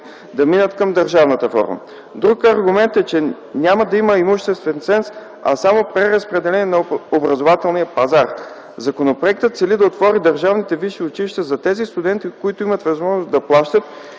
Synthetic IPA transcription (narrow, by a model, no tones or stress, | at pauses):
d̪ɐminət̪kɐmd̪əɾʒavnət̪əfɔ̰ɾmə̰ | d̪ɾukɐɾɡʊmɛnt̪ɛt͡ʃɛ | nʲaməd̪ɐiməimuʃt̪ɛst̪vɛnsɛns | ɐ̰samopɾɛɾəspɾɛd̪ɛlɛnʲɛnɐobɾɐzovat̪ɛlˠnijəpɐzaɾ | zɐkonopɾoɛk̚t̪ət̪t̪sɛlid̪ɐot̪vɔɾid̪ɐɾʒavnit̪ɛviʃiʊt͡ʃiliʃt̪ɐzɐt̪ɛzist̪ʊd̪ɛnt̪ikoit̪ʊimət̪vɐzmɔʒnosd̪ɐplˠaʃt̪ət̪̚